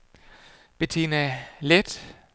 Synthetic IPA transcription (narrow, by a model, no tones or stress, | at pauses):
b̥e̝t͡sʰe̝̰ːnæled̥